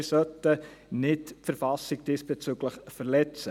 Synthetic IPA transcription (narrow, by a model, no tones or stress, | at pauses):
sœtənɪtfəɾfɑsɪɡ̚d̥iːsb̥ɛt͡syɡləχfəɾlɛt͡sə